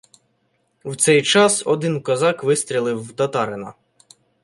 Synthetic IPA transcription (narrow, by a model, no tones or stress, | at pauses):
wt̪sɛjt͡ʃɑsɔd̪ɪnkɔzɑkʋɪst̪ʲɾʲilˠɪwt̪ɐt̪ɑɾɪnɐ̰